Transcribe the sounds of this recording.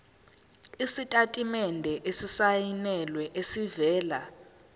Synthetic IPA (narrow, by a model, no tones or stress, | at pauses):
isitʼatʼimɛndʱɛʔesisajinɛlwɛʔesivɛːla